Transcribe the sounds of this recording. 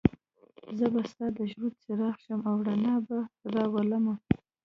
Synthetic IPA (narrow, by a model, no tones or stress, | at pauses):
zəbast̪ɑd̪əʒɾud̪̚t͡seɾɑxʃəmawɽanɑbaɾɑwalama